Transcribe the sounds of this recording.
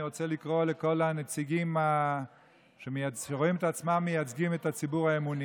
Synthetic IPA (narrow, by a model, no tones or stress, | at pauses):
iʁo̞t͡selikʁoleko̞lanet͡siɡima | ʃemejaʃeʁo̞imetat͡smamːejat͡sɡimet̪at͡sibuʁaemuni